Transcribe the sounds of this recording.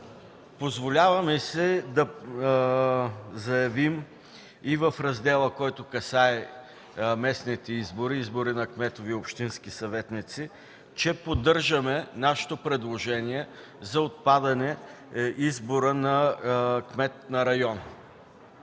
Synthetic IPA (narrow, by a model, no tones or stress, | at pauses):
pozvolʲavɐmɛsid̪ɐ | zɐjɐvim | ivɐfɾɐzd̪ɛlˠəkɔjt̪ʊkɐsaɛ | mɛsnit̪ɛizboɾiizboɾinɐkmɛt̪oviopʃt̪inskisɐvɛt̪nit̪si | t͡ʃɛpod̪ɤɾʒɐmɛnaʃɪ̥t̪opɾɛd̪lˠoʒɛniɛ | zɐot̪̚pad̪ɐnɛ | izboɾənɐkmɛt̪̚nɐɾɐjɔn